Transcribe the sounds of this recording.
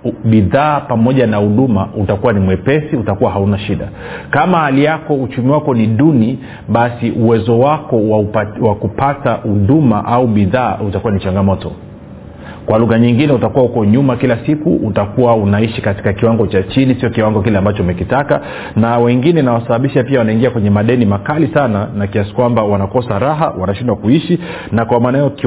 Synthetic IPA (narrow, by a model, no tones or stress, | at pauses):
ɓiðaːpamɔʄanahuɗumautakuwanimwɛpɛsiutakuwaɦaunaʃiɗa̰ | kamahaliakɔut͡ʃumiwakɔniɗuni | ɓasiʔuwɛzɔwakɔwawakupatahuɗuma̰ʔauɓiðaːutakuwanit͡ʃaŋɡamɔtɔ̰ | kwaluɣaɲiŋɡinɛutakuwahukɔɲumakilasikṵutakuwaunaiʃikati̥kakiwaŋɡɔt͡ʃat͡ʃinisiɔkiwaŋɡɔk̬ilɛambat͡ʃɔumɛkitaka | nawɛŋɡinɛnawasaɓaɓiʃapiawanaiŋɡiakwɛɲɛmaɗɛnimakalisananakiasi̥kwambawanakɔsaɾaɦa̰wanaʃindwakuiʃi | nakwamaːnajɔk